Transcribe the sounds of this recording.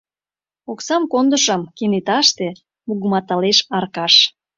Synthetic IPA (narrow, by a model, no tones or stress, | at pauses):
oksɑmkond̪əʃə̆mkenet̪ɑʃt̪e | muɣə̆mɑt̪ɑleʃɑrkɑʃ